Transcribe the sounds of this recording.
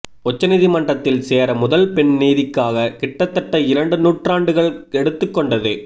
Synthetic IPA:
ɔt͡ʃːɐnɪðɪmɐɳɖrɐt̪ːɪlseːɾɐmʊðɐlpɛɳniːðɪkːaːɣɐkɪʈːɐt̪ːɐʈːɐɪɾɐɳɖɯnuːʈraːɳɖɯɣɐɭɛɽɯt̪ːɯkːɔɳɖɐðɯ

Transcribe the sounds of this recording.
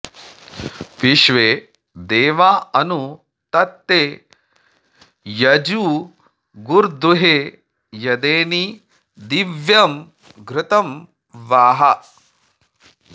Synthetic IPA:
piʃʋeː | d̪eːʋaːɐnu | t̪ɐt̪ːe | jɐd͡ʒuː | ɡuɾd̪uɦeː | jɐd̪eːni | d̪iʋjɐm | ɡɾɪt̪ɐm | ʋaːɦɐ

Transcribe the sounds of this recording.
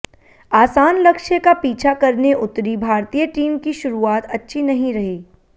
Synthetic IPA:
aːsaːnlɐkʃjəkapiːt͡ʃʰakɐɾneʔʊt̪ːɾibʱaːɾt̪ijəʈiːmkiʃʊɾuaːt̪ɐtːʃʰinɐɦĩɾɐɦiː

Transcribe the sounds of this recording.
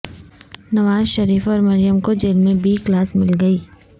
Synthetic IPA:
nɐʋaːzʃɐɾiːfɔːɾmɐɾijəmkod͡ʒeːlmẽbiːklaːsmɪlɡɐiː

